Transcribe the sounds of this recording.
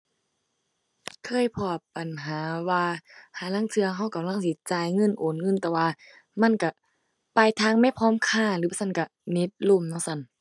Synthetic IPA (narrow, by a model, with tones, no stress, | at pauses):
kʰɤː˧˥˨jpʰɔː˧˩p̚ba˨nɦaː˨˦waː˧haː˨˩˦la˧˥˨ŋt̪ʰɯ˧ɐɦa˧˩wka˨mla˧˥˨ŋsi˧˦t͡ɕaː˨˩jŋɤ˧˥˨nʔoː˨˦nŋɤ˧˥˨t̪ɛː˧˩waː˧ | ma˧˥˨nka˧˩ | pa˧˩jt̪ʰaː˧˨ŋma˧˥˨pʰɔː˧˥˨mkʰaː˧˩˨lɯː˨˦ba˧˨sa˧˥˨nka˧˩ | ne˧˦t̪̚lo˧˩˨mnɔː˧˥˨sa˧˩˨n